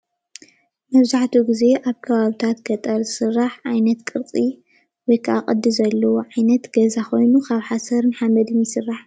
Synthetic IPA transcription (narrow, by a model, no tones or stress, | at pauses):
mɐβzaħt̪ʰuɡize̞ʔaβkʰɐβaβit̪ʰat̪ɡ̥ɐt̪ʼɐɾzɨsɨrːaħʕajnɐt̪kʼɨɾt͡sʼi | wɔjkʰɨʔakʼɐd̪ːɨzɐlːɐwoʕajnɐt̪ɡ̥ɐzaxo̞jnukʰaβħasɐɾnɨħamɐd̪ɨnjɪsɨrːaħ